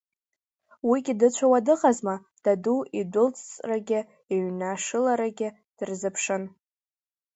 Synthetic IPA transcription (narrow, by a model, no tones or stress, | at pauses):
wiɡʲɪdɨt͡ɕʷʰawadɨqʼazma | d̥aduidʷʊlt͡sʰʼt͡sʼraɡʲɪ | eɥnaʂɨlaɾaɡʲɪ | d̥ɨrzɨpʰʂɨn